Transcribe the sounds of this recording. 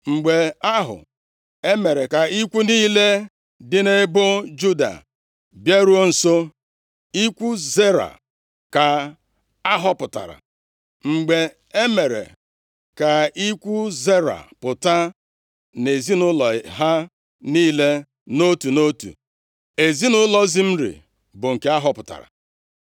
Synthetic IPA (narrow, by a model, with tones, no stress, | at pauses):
ŋ͡m̩˨ɡ͡be˨a˦ɦʊ̰˨ | e˦me˨ɾe˨ka˨i˦kʷu˦niː˦le˦ | dɪ˦ne˦bʊ˦d͡ʒu˦da̰˨ | bje˦ɾu˦o˦n̩˨so˦ | i˦kʷu˦ze˦ɾa̰˨ | ka˨ | a˦ɦɔ˦pʊ˨ta̰˨ɾa̰˨ | ŋ͡m̩˨ɡ͡be˨ | e˦me˨ɾḛ˨ | ka˨i˦kʷu˦ze˦ɾa̰˨pʊ˨ta˦ | ne˨zi˦nʊ˦lɔ˨ɦa˦ | niː˦le˦ | no˦tu˨no˦tṵ˨ | e˨zi˦nʊ˦lɔ˦zi˦m̩˦ɾḭ˨ | bʊ˨ŋ̩˨ke˦a˦ɦɔ˦pʊ˨ta̰˨ɾa̰˨